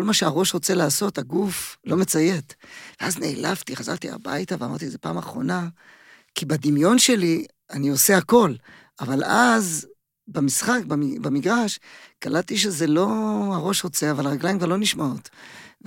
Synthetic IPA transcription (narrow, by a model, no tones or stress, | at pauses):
kolmaʃeaʁo̞ʃʁo̞t͡se̞laːso̞t̪haɡuflo̞me̞t͡saje̞t̪veazne̞ːlavt̪iχaza̰ʁt̪ia̰ba̰jt̪avea̰ma̰ʁt̪̬izepa̰ːmaχʁo̞̰na | kibad̪imjo̞nʃe̞li | anio̞seako̞l | avalaz | bamisχakbambamiɡʁaʃkalalt̪iʃ̬eze̞lo̞aʁo̞ʃʁo̞t͡se̞avalʁaɡlajimkvaʁlo̞niʃmaot̪